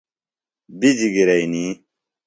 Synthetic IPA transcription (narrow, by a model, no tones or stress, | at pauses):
bid͡ʑiɡiɾɐini